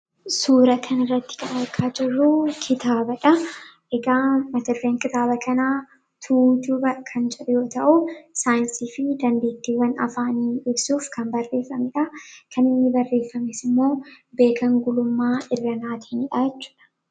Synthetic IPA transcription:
suːɾɐkʰɐnɪrːɐt̪ːɪ̥kɐnkʰːaːd͡ʒɪrːukʰɪt̪ʰaːbɐᶑɐʔɛɡaːmɐt̪ɪrːeːŋkɪt̪aːbɐkʰɐnaː | t̪ʰuːd̪ʊbɐkʰɐnd͡ʒɛᶑʊjo̞ːt̪ɐʔʊsaːjɪnsiːfɪd̪ɐnd̪eːt̪ːiwɐnɐ̰faːniːɪbsuːfkʰɐmbɐrːe̞ːfɐmɪᶑɐkʰɐnɪnːɪbɐrːe̞ːfːɐmɛsɪmːo̞ːbe̞ːkʰɐŋɡʊlʊmːaːʔɪrːɐnaːt̪ɪ̥hɪnɪᶑaːjɛt͡ʃːu̥ːᶑɐ̥

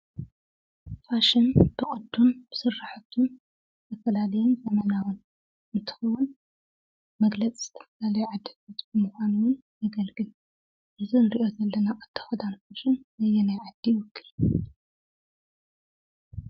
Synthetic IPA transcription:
faʃɪnbɨχʼɨd̪ːunb̥ɨ̥sɨrːaħɨt̪ʰun | zt̪ʰɐfɐlalɐjunzɐmɐnawʊn | mɨt̪ʰɨ̥xɐwʊn | mɐɡlɐt͡sʼiz̥ɨ̥t̪ʰɐ̥fɐlalɐjʕad̪ɐt̪at̪ʼbɨmuxʷanuwʊnː | ɐɡɐlɡɨl | ʔɨzɨnɨɾḭʔo̞zɐlːɐnaʔʼɨt̪ʰːɐ̥xɐd̪anfaʃɨnzɐjenajʕad̪ːiwɔkʰːɨl

